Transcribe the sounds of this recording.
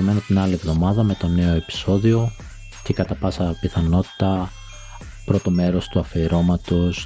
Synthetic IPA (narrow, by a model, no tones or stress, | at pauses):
ime̞not̪inɐlivðo̞mɐðɐme̞t̪o̞ne̞o̞e̞pi̥so̞ðio̞ | ce̞kɐt̪ɐpɐsɐpiθɐno̞t̪i̥t̪ɐ | pɾo̞t̪o̞me̞ɾo̞st̪uɐfeɾo̞mɐt̪os